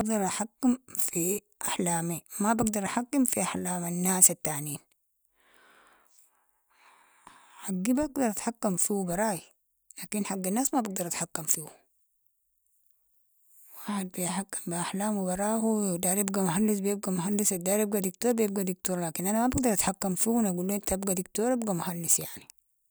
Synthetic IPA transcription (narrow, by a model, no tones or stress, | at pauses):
baɡd̪ɑɾˤʔaħakːimfi | ʔaħlaːmimabaɡd̪ɑɾˤʔaħakːimfiʔaħlaːmanːaːsat̪ːaʕniːn | ħaɡːibaɡd̪ɑɾˤʔat̪ħakːamfiwubɑɾˤɑːji | laːkinħaɡːanːaːsmabaɡ̚d̪ɑɾˤʔat̪ħakːamfihu | waːħed̪̚bijħakːi̥mbiaħlaːmwibɑɾˤɑːhud̪aːɾibɡamuɦalːis̬bijeb̚ɡamuɦanːisad̪aːɾab̚ɡad̪ikt̪oːɾbijeb̚ɡad̪ik̚t̪oːɾlaːkinʔanamabaɡd̪ɑɾat̪ħakːamfiunaɡulːuint̪aabɡad̪ikt̪oːɾabɡamuhalːisjaʕni